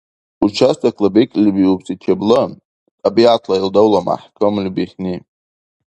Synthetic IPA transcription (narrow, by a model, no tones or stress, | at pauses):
ut͡ʃʰastʰʼakʰʼlabekʼlbiupsʼit͡ʃʲʰeblɨ | tʼabiʕatʰlaildawlama̰ħkʰʼɨmlbiχʲni